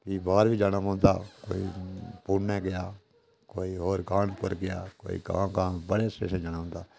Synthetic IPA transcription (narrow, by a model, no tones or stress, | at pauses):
kibaːɾbʱid͡ʒaːnamãːnd̪a̰ːko̰ːḭpuːɽneɡɪjaː | koːiɦoːɾkaːnpəɾɡɪja̰ːko̰ːḭka̰ːkaːbəɽesḛːʃə̃d͡ʒanãːnd̪aː